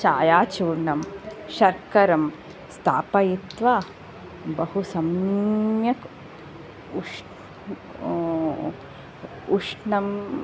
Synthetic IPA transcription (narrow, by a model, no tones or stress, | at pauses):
t͡ʃaːjaːt͡ʃuːɾɳɐmʃɐɾkɐɾɐm | st̪ʰaːpɐjit̪ʋa | bɐhusɐmjɐk | uʂ | uʂnɐm